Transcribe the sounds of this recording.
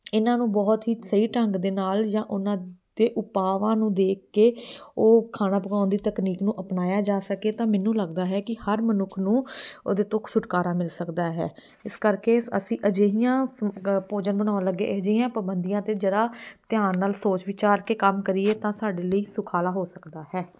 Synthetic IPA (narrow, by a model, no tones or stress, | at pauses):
ɪnãːnũːbɔːt̪ɦiːsəiːʈəŋɡd̪eːnaːld͡ʒãːʔʊnãːd̪eːʔʊpaːʋãːnũːd̪eːk̚ʰːeːoːkʰaːnãːpəɡaːnd̪iːt̪əkniːknũːʔəpnaːjaːd͡ʒaːsəkeːt̪ãːmɛːnːũːləɡd̪aːɦɛːkɪhəɾmənʊkʰnũːoːd̪eːt̪õːksʊʈkaːɾaːmɪlsəkd̪aːɦɛ̰ː | ɪskəɾkeːə̰sĩːʔəd͡ʒeːɦijãːpoːd͡ʒənbəɽ̃ãːləɡːḛːʔəd͡ʒeijãːpəbənd̪ijãːt̪eːd͡ʒəɾaːt̪ɪjaːnnaːlsoːt͡ʃʋɪt͡ʃaːɾkeːkəmkəɾieːt̪ãːsaːɖeːləiːsʊkʰaːlaːɦoːsəkd̪aːɦɛː